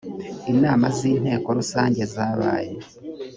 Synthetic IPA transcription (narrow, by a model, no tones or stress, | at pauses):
inaːmaziːnhe̞ːko̞ɾusaːɲɟe̞zaːβa̰ːje